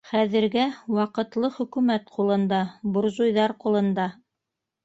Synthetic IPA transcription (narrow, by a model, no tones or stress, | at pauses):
χæðɘ̆ɾɡæwɑqɤ̆t̪lˠɤχɵ̆kʉmæt̪qulˠɤ̆nd̪ɑbŏɾzujðɑɾqulˠɤ̆nd̪ɑ